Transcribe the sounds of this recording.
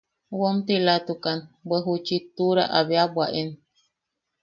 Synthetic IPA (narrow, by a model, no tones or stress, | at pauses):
womt̪ilat̪ukanbəɦut͡ʃit̪uɾa̰ʔaβeabwaʔen